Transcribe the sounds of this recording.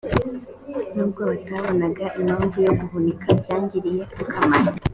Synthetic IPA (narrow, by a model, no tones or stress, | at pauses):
nuːb̚ɡoβataβo̞naɡaʔinoːnvujoɡuɦunikʰaɟaːɲɟiɾije̞kukamaɾa